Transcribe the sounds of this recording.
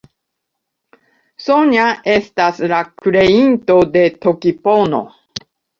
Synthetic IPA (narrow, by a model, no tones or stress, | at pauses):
soɲaʔe̞st̪aslakɾe̞int̪o̞d̪e̞t̪okipono̰